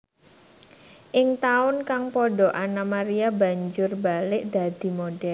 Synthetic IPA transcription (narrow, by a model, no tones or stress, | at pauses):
ʔɪŋt̪aʊnkaŋpɔɖɔʔanamaɾiaba̤ɲd͡ʒʊrbalɪʔd̪̥a̤d̪̥i̤moɖɛr